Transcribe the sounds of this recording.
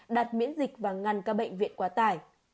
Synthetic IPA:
ɗaː˨˩t̚mḭ˧˥ənzi˨˩k̚vaː˨˩ŋa˨˩nkaː˧˥k̚ɓə̰˧˨jŋ̟vḭ˧˨ənkwaː˨˦t̪aː˧˩j

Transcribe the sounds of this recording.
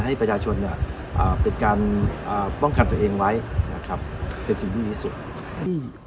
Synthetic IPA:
ɦa˥˩jpɾa˧t͡ɕʰaː˧t͡ɕʰo˧nːi˥˩ | ʔaː˨˩pe˨˩nkaː˧nʔaː˨˩pɔ˥˩ŋka˧nt̪u˧əʔeː˧ŋwa˦˥jna̰˦˥kʰa˦˥p̚kʰeː˧nsi˨˧ŋt̪ʰiː˥˩iː˥˩su˨˩t̪̚ː

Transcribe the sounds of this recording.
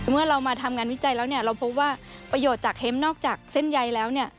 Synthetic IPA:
mɯ˥˩ɐɾa˧wmaː˧t̪ʰa˧mŋaː˧nwi˦˥t͡ɕa˧jlɛː˦˥wni˥˩ɐɾa˧wpʰo˦˥p̚waː˥˩pɾa˧joː˨˩t̪̚t͡ɕaː˨˩k̚he˦˥mnɔː˥˩k̚t͡ɕaː˨˩k̚se˥˩nja˧jlɛː˦˥wni˥˩ɐ

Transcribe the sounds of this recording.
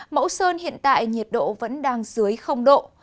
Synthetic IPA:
mə̰˧˥wsəː˧nhḭ˧˨ənt̪a̰ː˧˨jɲi˨˩ət̚ɗo̰˧˨və̰˧˥nɗaː˧ŋzɨ˨˦əjxə˧wŋ͡mɗo̰˧˨

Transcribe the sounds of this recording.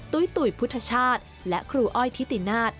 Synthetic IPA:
t̪u˧˦jt̪u˨˩jpʰu˦˥t̪ʰːa˧t͡ɕʰaː˥˩t̪̚ | lɛ˦˥kʰɾuː˧ʔɔ˥˩jt̪ʰi˦˥t̪i˨˩naː˥˩t̪̚

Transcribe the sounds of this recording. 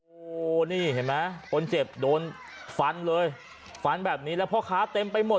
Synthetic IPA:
ʔʔo˧˨˩niː˥˩he˨˩˦ma˦˥jkʰo˧nt͡ɕe˨˩p̚doː˧n | fa˧nlɤː˧j | fa˧nbɛː˨˩p̚niː˦˥lɛː˦˥wpʰɔ˦˥˩kʰaː˦˥t̪e˧mpa˧jmo˨˩

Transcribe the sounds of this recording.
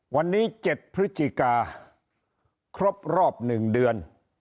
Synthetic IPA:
wa˧nːiː˦˥t͡ɕe˨˩t̪̚pʰɾi˦˥t͡ɕ̪i˧kaː˧ | kʰɾo˦˥p̚ɾɔː˥˩p̚nɯ˨˩ŋdɯ˧ən

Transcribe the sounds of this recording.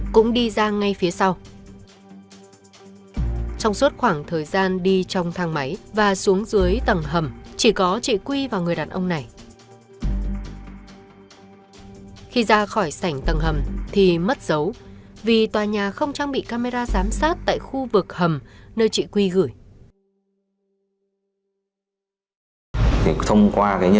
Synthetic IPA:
kʊ̰˧˥ŋ͡mɗi˧zaː˧ŋa˧jfi˨˦əsa˧w | t͡ɕɔ˧wŋ͡msu˦˥t̚xwaː˧˩ŋt̪ʰəː˨˩jzaː˧nɗi˧t͡ɕɔ˧wŋ͡mt̪ʰaː˧ŋma˨˦jvaː˨˩su˨˦əŋzɨ˨˦əjt̪ə˨˩ŋɦə˨˩mt͡ɕi˧˩kɔ˨˦t͡ɕḭ˧˨kwi˧vaː˨˩wŋɨ˨˩əjɗaː˨˩nʔə˧wŋ͡mna˨˩j | xi˧zaː˧xɔ˧˩jsa˧˩jŋ̟t̪ə˨˩ŋɦə˨˩mt̪ʰi˨˩mə˦˥t̚z̥ə˨˦wvi˨˩t̪waː˨˩ɲaː˨˩xə˧wŋ͡mt͡ɕaː˧ŋɓḭ˧˨kaː˧me˧zaː˧zaː˨˦msaː˦˥t̚t̪a̰ː˧˨jxu˧vɨ˨˩k̚hə˨˩mnəː˧jt͡ɕḭ˧˨kwi˧ɣɨ˧˩j | t̪ʰi˨˩t̪ʰə˧wŋ͡mkwaː˧kaː˨˦j

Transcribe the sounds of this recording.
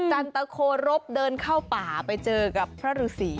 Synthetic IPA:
t͡ɕa˧nt̪a˧kʰoː˧ɾo˦˥p̚dɤː˧nkʰaː˥˩wpaː˨˩pa˧jt͡ɕɤː˧ka˨˩pʰːɾa˦˥ɾuː˧˩siː˩˦

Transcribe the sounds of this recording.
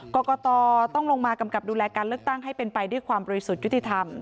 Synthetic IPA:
kɔː˧kɔː˧t̪ɔː˧t̪ɔ˥˩ŋlo˧ŋmaː˧ka˧mka˨˩p̚duː˧lɛː˧kaː˧nlɯ˥˩ək̚t̪a˥˩ŋɦa˥˩jpe˧npa˧jdu˥˩əjkʰwaː˧mbɔː˧ɾi˧˥su˨˩t̪̚ju˦˥t̪ʰːi˧˩t̪ʰa˧m

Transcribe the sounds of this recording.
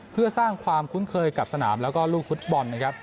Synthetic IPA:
pʰɯ˥˩ɐsaː˥˩ŋkʰwaː˧mkʰu˦˥nkʰɤː˧jka˨˩p̚sa˧na̰ː˩˦mlɛː˦˥wkɔː˥˩luː˥˩k̚fu˦˥t̪̚bɔ˧nːa˦˥kʰa˦˥p̚

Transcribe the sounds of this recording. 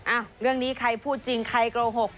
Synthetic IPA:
ʔaː˧˩wɾɯ˥˩əŋniː˦˥kʰa˧jpʰuː˥˩t̪̚t͡ɕi˧ŋkʰa˧jkɾoː˧ɦo˨˩k̚

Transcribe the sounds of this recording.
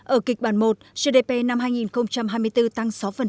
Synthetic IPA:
ʔəː˧˩kï˨˩k̚ɓaː˧˩nmo˨˩t̚z̥ə˧ɗe˧˩pe˧na˧mɦaː˧jŋi˨˩nxə˧wŋ͡mt͡ɕa˧mɦaː˧jmɨ˧əjt̪ɨ˧t̪a˧ŋsa˨˦wfə˨˩n

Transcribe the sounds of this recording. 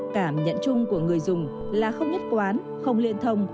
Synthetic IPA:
kaː˧˩mɲə̰˧˨nt͡ɕʊ˧ŋ͡mku˧˩əŋɨ˨˩əjzʊ˨˩ŋ͡m | laː˨˩xə˧wŋ͡mɲə˦˥t̚kwaː˨˦n | xə˧wŋ͡mlḭ˧˨ənt̪ʰə˧wŋ͡m

